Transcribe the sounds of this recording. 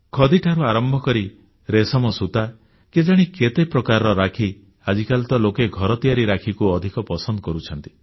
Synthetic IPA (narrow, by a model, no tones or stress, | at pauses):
kʰɔd̪iʈʰaɾuaɾɔmbʱɔkɔɾi | ɾesɔmɔsut̪a | ked͡ʒaɽ̃iket̪epɾɔkaɾɾɔɾakʰi | ad͡ʒikalt̪ɔlokeɡʱɔɾɔt̪ijaɾiɾakʰikuɔd̪ʱikɔpɔsɔnd̪ɔkɔɾut͡ʃʰɔnt̪i̥